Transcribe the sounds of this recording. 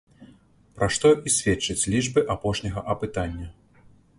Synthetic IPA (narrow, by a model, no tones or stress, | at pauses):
pɾaʂt̪ɔʔisʲvʲɛt͡ʂːɐt͡sʲlʲiʐbɨʔapɔʂnʲɐɣɐʔɐpɨt̪anʲːɐ